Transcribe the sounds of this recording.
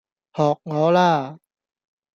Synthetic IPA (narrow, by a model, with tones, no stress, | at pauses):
hɔː˨˩k̚ŋɔː˨˦˥laː˧˩